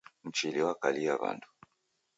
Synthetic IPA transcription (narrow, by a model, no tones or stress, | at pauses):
m̩t͡ʃiliwakaliaβa̰ntu̥